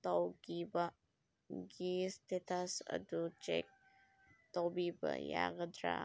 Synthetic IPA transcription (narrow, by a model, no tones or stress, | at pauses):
t̪owɡibɐ | ɡiːst̪it̪asə̰d̪ut͡ʃḛk̚ | t̪owbibə̰ja̰ɡəd̪ɾa̰